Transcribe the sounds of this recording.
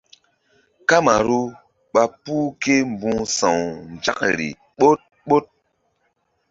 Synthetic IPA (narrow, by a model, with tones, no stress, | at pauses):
ka˦ma˨ɾu˦ | ɓa˦pu˦ke˦m̩˨bũ˦ŋsã˨wn˨d͡ʒa̰˦k̚ɾḭ˨ | ɓo˦t̚ | ɓo˦t̚